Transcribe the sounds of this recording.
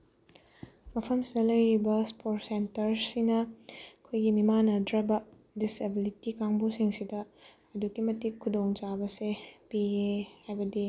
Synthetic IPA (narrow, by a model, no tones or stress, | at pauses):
mɐpʰɐmsidɐlɐjɾibɐspʰoɾtsentɐɾsinɐkʰojɡimimanɐdɾabɐ | disebilitikaŋbusiŋsidɐ | ɐdukimɐtikʰːudoŋt͡ʃabɐsepiehajbɐdi